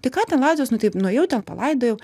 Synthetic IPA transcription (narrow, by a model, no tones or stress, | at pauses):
t̪ɐɪkɑːt̪ʲɛnlˠɑːɪd̪zʲʋʲɛsnʊt̪ɐɪpnʊjɛʊt̪ʲɛnpɐ̰lˠɐɪd̪oːjɛʊ